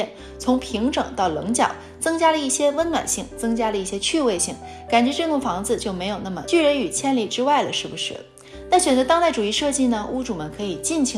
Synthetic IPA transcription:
ɛ˥˩n | t͡sʰʊ˧˥ŋpʰi˧˥ŋʈ͡ʂɤ̰˨˩ŋt̪ɑ˥˩ʊlɤ̰˧˥ŋt͡ɕjɑ̰˨˩ʊ | t͡sɤ˥ŋt͡ɕja˥lə˧i˥˩ɕjɛ˥wə˥nnwa̰˨˩nɕi˥˩ŋt͡sɤ˥ŋt͡ɕja˥lə˨˧i˥˩ɕjɛ˥t͡ɕʰy˥˧we˥˧ɪɕi˥˩ŋ | ka˨˩nt͡ɕɥɛ˧˥ʈ͡ʂɤ˥˧t̪ʊ˥˩ŋfɑ˧˥ŋd͡zɹ̩˧t͡ɕjo˥˩ʊme˧˥ɪjo˨˩ʊna˥˩mə̰˩t͡ɕy˥˩ɻə˧˥ny˨˩t͡ɕʰjɛ˥nli˥˩ʈ͡ʂɻ̩˥wa˥˩ɪlə˩ʂɻ̩˥˩bu˨˩ʂɻ̩˥˩ | na˥˩ɕɥɛ˨˩nt͡sɤ˧˥t̪ɑ˥ŋt̪a˥˩ɪʈ͡ʂu˨˩i˥˧ʂɤ˥˧t͡ɕi˥˩nə˩ʔu˥ʈ͡ʂu˨˩mə˦nkʰɤ˧˥i˨˩t͡ɕi˥˩nt͡ɕʰi˧˥

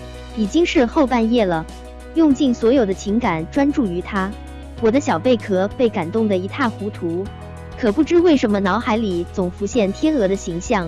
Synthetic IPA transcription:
i˨˩t͡ɕi˥ŋʂɻ̩˥˧xo˥˧ʊpa˥˧njɛ˥˩lə˩ | jʊ˥˧ŋt͡ɕi˥˩nswɔ˧˥jo˨˩ʊd̪ə˦t͡ɕʰi˧˥ŋka˨˩nʈ͡ʂwa˥nʈ͡ʂu˥˩y˧˥t̪ʰa˥ | wɔ˨˩d̪ə˦ɕjɑ˨˩ʊpe˥˩ɪkʰɤ˧˥pe˥˩ɪka˨˩nt̪ʊ˥˩ŋd̪ə˩i˧˥t̪ʰa˥˩xu˧˥t̪ʰu˧˥ | kʰɤ˨˩pu˥˩ʈ͡ʂɻ̩˥we˥˩ɪʂə˧˥nmə˧nɑ˧˥ʊxa˧˥ɪli˨˩t͡sʊ˨˩ŋfu˧˥ɕjɛ˥˩nt̪ʰjɛ˥nɤ˧˥d̪ə˧ɕi˧˥ŋɕjɑ˥˩ŋ

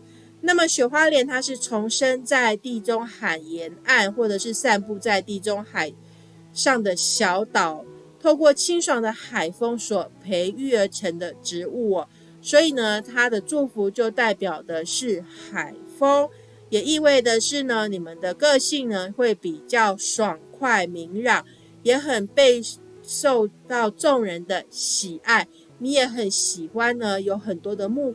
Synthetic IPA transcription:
na˥˩mə˨ɕɥɛ˨˩xwa˥ljɛ˥˩nt̪ʰa˥ʂɻ̩˥˩t͡sʰo˧˥ŋʂə˦nt͡sa˥˧ɪt̪i˥˩ʈ͡ʂo˥ŋxa˨˩njɛ˧˥na˥˧nxwɔ˥˩ʈ͡ʂɤ˨˩ʂɻ̩˥˧sa˥˧npu˥˧t͡sa˥˧ɪt̪i˥˩ʈ͡ʂo˥ŋxa˨˩ɪ | ʂɑ˥˩ŋd̪ə˩ɕjɑ˧˦˥ʊt̪ɑ˨˩˦ʊ | t̪ʰo˥˧ʊkwɔ˥˩t͡ɕʰi˥ŋʂwɑ˨˩ŋd̪ə˨xa˨˩ɪfɤ˥ŋswɔ˨˩pʰe˧˥ɪy˥˩ə˧˥ʈ͡ʂʰə˧˥ŋd̪ə˧ʈ͡ʂɻ̩˧˥u˥˩ | swɔ˧˥i˨˩nə˨t̪ʰa˥d̪ə˨ʈ͡ʂu˥˩fu˧˥t͡ɕjo˥˧ʊt̪a˥˩ɪpjɑ˨˩ʊd̪ə˦ʂɻ̩˥˩xa˨˩ɪfɤ˥ŋ | jɛ˨˩i˥˧we˥˩ɪd̪ə˩ʂɻ̩˥˩nə˩ni˨˩mə˨nd̪ə˩kɤ˥˧ɕi˥˩ŋnə˩xwe˥˩ɪpi˨˩t͡ɕjɑ˥˩ʊʂwɑ˨˩ŋkʰwa˥˩ɪmi˧˥ŋɻɑ˨˩ŋ | jɛ˧˥˦xə˨˩npe˥˧ɪ | ʂo˥˧ʊt̪ɑ˥˧ʊʈ͡ʂo˥˩ŋɻə˧˦nd̪ə˧ɕi˨˩ʔa˥˩ɪ | ni˧˥jɛ˨˧˥xə˨˦nɕi˨˩xwa˦nnə˨jo˧˥ʊxə˨˩nt̪wɔ˥d̪ə˨mu˥˧

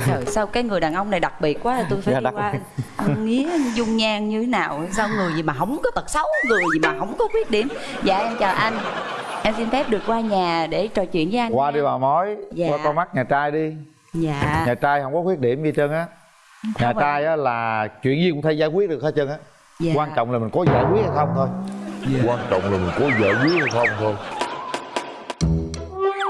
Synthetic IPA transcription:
əː˨˩jsa˧wkaː˨˦jŋɨ˨˩əjɗaː˨˩nʔə˧wŋ͡mna˨˩jɗa˨˩k̚ɓi˨˩ət̚kwaː˨˦t̪ʰa˨t̪o˧jfaː˧˨˧waː˧ŋḭ˧˥ə˧zʊ˧ŋ͡mɲaː˧ŋɲɨ˧e˨˦naː˨˩wsaː˧wŋɨ˨˩əjzi˨˩maː˨˩ɦə˧˩wŋ͡mkɔ˨˦t̪ə˨˩t̚sə˨˦wŋɨ˨˩əjzi˨˩maː˨˩ɦə˧˩wŋ͡mkɔ˨˦kwi˦˥ət̚ɗi˧˩əmza̰ː˨ʔɛ˧mt͡ɕaː˨˩ʔa˧jŋʔa˧nsi˧nfɛ˦˥p̚ɗɨ˨˩ək̚kwaː˧ɲaː˨˩ɗe˧˩t͡ɕəː˨˩jt͡ɕwḭ˧˨ənvəː˨˦ʔa˧ŋkwaː˧ɗi˧vaː˨˩wmɔ˨˦jzaːwaː˧˨ɔ˧ma˦˥k̚ɲaː˨˩t͡ɕaː˧jɗi˧ | zaː˧˨ɲaː˨˩t͡ɕaː˧jhə˧˩wŋ͡mkɔ˨˦kwət̚ɗi˧˩əmzi˧t͡ɕə˧nʔaː˨˦ | ɲaː˧˨˩t͡ɕaː˧jʔaː˨˦laː˨˩t͡ɕwḭ˧˨ənzi˧kʊ˧˥ŋ͡mt̪ʰə˧jzaː˧˦jkwi˦˥ət̚ɗɨ˨˩ək̚haː˧˦t͡ɕə˧nʔaː˨˦˨ | kwaː˧nt͡ɕɔ̰˧˨wŋ͡mlaː˨˩mi˨˩ŋ̟kɔ˨˦zaː˧˩jkwi˦˥t̚ha˧˩xə˧ŋ͡mt̪ʰo˧jkwaː˧nt͡ɕɔ̰˧˨wŋ͡mlaː˨˩mï˨˩ŋ̟kɔ˨˦zə̰ː˧˩jkwi˦ət̚ə˧˩xə˧wŋ͡mt̪ʰo˧j

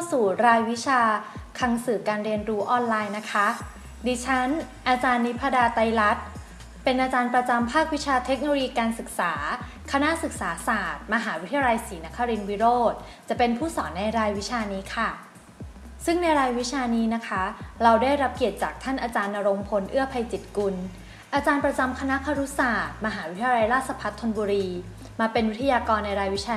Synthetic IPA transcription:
t̪ʰa˥˩wsuː˨˩ɾaː˧jwi˦˥t͡ɕʰaː˧kʰa˧ŋsɯː˨˩kaː˧nɾi˧ənɾuː˦˥ʔɔː˧nlaː˧jna˦˥kʰa˦˥ | diː˧t͡ɕʰa˦˥n | ʔaː˧t͡ɕaː˧nːi˦˥pʰːa˧daː˧t̪a˧jla˦˥t̪̚ | pe˧nʔaː˧t͡ɕaː˧npɾa˧t͡ɕa˧mpʰaː˥˩k̚wi˦˥t͡ɕʰaː˧t̪ʰe˦˥k̚no˧o˧jiː˧kaː˧nsɯ˨˩k̚saː˩˦ | kʰa˧na˦˥ʔsɯ˨˩k̚saː˩˦saː˨˩t̪̚ma˧ɦaː˩˦wi˦t̪ʰja˧la˧jsiː˩˦na˦˥kʰːa˧ɾi˧nwi˦˥ɾoː˥˩t̪̚ | t͡ɕa˨˩pe˧npʰuː˥˩sɔː˩˦nːa˧jɾaː˧jwi˦˥t͡ɕʰaː˧niː˦˥kʰa˥˩ | sɯ˥˩ŋna˧jɾaː˧jwi˦˥t͡ɕʰaː˧niː˦˥na˦˥kʰa˦˥ɾa˧wdaː˥˩jɾa˦˥p̚ki˨˩ət̪̚t͡ɕaː˨˩k̚t̪ʰa˥˩nʔaː˧t͡ɕaː˧nːa˧ɾo˧ŋpʰo˧nʔɯ˥˩ɐpʰa˧jt͡ɕi˨˩t̪̚ku˧n | ʔaː˧t͡ɕaː˧npɾa˧t͡ɕa˧mkʰa˧na˦˥kʰa˧ɾu˦˥saː˨˩t̪̚ma˧ɦaː˩˦wi˦˥t̪ʰa˧ja˧la˧jɾaː˥˩t̪̚sa˧pʰa˦˥t̪ʰːo˧nbuː˧ɾiː˧ | maː˧pe˧nwi˦˥t̪ʰa˧jaː˧kɔː˧nːa˧jɾaː˧jwi˦˥t͡ɕʰaː˧

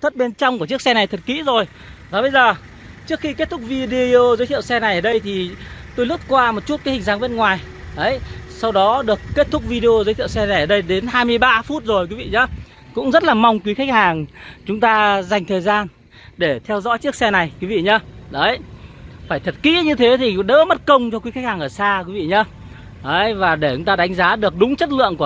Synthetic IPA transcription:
t̪ʰə˦˥t̚ɓe˧nt͡ɕɔ˧wŋ͡mkət͡ɕɨ˦˥ək̚sɛ˧na˨˩jt̪ʰə˨˩t̚kḭ˧˥zo˨˩j | zɔ˨˦ɓə˧jzəː˨˩ | t͡ɕɨ˦˥ək̚xi˧ke˦˥t̚t̪ʰʊ˦˥k̚vi˧ɗi˧o˧zə˨˦t̪ʰḭ˧˨əwsɛ˧na˨˩jʔəː˨˩ɗə˧jt̪ʰi˨˩t̪o˧jlʊ˦˥t̚kwaː˧mo˨˩t̚t͡ɕu˦˥t̚kaː˨˦hï˨˩ŋ̟zaː˨˦ŋɓe˧nŋwaː˨˩j | ɗə˨˦j | sa˧wɗɔ˨˦ɗɨ˨˩əkːe˦˥t̚t̪ʰʊ˦˥k͡p̚vi˧ɗe˧o˧zəː˨˦t̪ʰḭ˧˨sɛ˧na˨˩jʔəː˨˩ɗə˧jɗe˨˦nɦaː˧jmɨ˧əjɓaː˧fu˦˥t̚zo˨˩jkwi˨˦vḭ˧˨ɲə˧˦ | kʊ̰˧˥ŋ͡mzə˦˥t̚laː˨˩ma˧wŋ͡mkwi˨˦xa˦˥jk̟̚haː˨˩ŋt͡ɕʊ˨˦ŋ͡mt̪aː˧za˨˩jŋ̟t̪ʰəː˨˩jzaː˧n | ɗe˧˩t̪ʰɛ˧wzɔ̰˧˥jt͡ɕi˦˥ək̚sɛ˧na˨˩jkwi˨˦vḭ˧˨ɲə˧˦ɗə˨˦jfaː˧˩jt̪ʰə˨˩t̚kḭ˧˥ɲɨ˧t̪ʰe˨˦t̪ʰi˨˩ɗə̰ː˧˥mə˦˥t̚kə˧wŋ͡mt͡ɕɔ˧kwi˨˦xk̟̚haː˨˩ŋʔəː˧˩saː˧kwi˨˦ḭ˧˨ɲə˧ | ɗə˨˦jvaː˨˩ɗe˧˩t͡ɕʊ˨˦ŋ͡mt̪aː˧ɗa˨˦ŋ̟zaː˨˦ɗɨ˨˩ək̚ɗʊ˨˦ŋ͡mt͡ɕə˦˥t̬̚lɨ̰˧˨əŋku˧˩

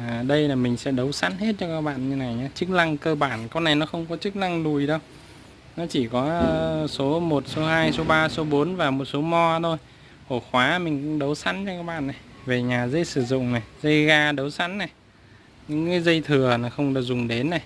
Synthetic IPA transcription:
a˨˩ɗə˧jlaː˨˩mï˨˩ŋ̟sɛ̰˧˥ɗə˨˦wsa̰˧˥nhe˦˥t̚t͡ɕɔ˧kaː˦˥k̚ɓa̰ː˧˨nɲɨ˧na˨˩jɲaː˨˧˦t͡ɕɨ˦˥k̚na˧ŋkəː˧ɓaː˧˩nka˧wna˨˩jnɔ˨˦xə˧wŋ͡mkɔ˨˦t͡ɕɨ˦˥k̚na˧ŋlu˨˩jɗə˧w | nɔ˨˦t͡ɕi˧˩kɔ˨˦˧so˨˦mo˨˩t̚so˨˦haː˧jso˨˦ɓaː˧so˨˦ɓo˨˦nvaː˨˩mo˨˩t̚so˨˦mɔ˧t̪ʰo˧j | ho˧˩xwaː˨˦mï˨˩ŋ̟kŋ͡mɗə˨˦wsa̰˧˥nt͡ɕɔ˧kaː˦˥k̚ɓa̰ː˧˨nːa˨˩jve˨˩ɲaː˨˩zə˧jsɨ˧˩zʊ̰˧˨ŋ͡mna˨˩jzə˧jɣaː˧ɗə˨˦wsa̰˧˥nna˨˩j | ɲɨ̰˧˥ŋkɨaː˨˦jzə˧jt̪ʰɨ˨˩əna˨˩xə˧wŋ͡mɗɨ˧˩k̚zʊ˨˩ŋ͡mɗe˨˦nːa˨˩j

